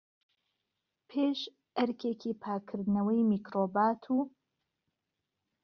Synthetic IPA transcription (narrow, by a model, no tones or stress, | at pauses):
pʰeʃ | ʔɐɾkʰeːkʰipʰaːkʰɨɾd̪nɐwɐjmiːkɾoːbaːt̪ʰuː